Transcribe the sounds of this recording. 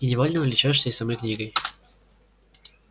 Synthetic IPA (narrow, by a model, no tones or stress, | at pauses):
inʲɪvolʲnəvɨlʲɪt͡ɕaʂsʲəɪsamojknʲiɡəj